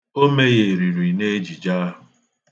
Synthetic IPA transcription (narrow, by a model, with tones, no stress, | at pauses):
o˦me˦je˨ɾi˨ɾi˨ne˦d͡ʒi˨d͡ʒa˦ɦʊ˨